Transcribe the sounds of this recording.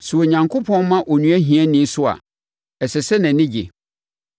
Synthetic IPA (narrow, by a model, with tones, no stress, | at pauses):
sʊ˨o˨ɲã˨ŋkʰo˦pʰɔ̃˦n˦mã˦ʔɔ˨nũ˦æ˦ɦĩ˨æ˦nɪ̃˦n˦sʊ˦a̰˨ | ɛ˨sɛ˨sɛ˦nã˨˦nɪ̃˦d͡ʑḛ˨